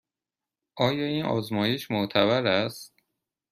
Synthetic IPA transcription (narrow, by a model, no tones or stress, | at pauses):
ʔɒːjɒːiːnʔɒ̰ːzmɒːjeʃmot̪ʰæβæɾæst̪̚